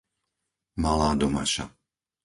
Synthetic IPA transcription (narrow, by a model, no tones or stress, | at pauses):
malaːd̪ɔma̰ʃa̰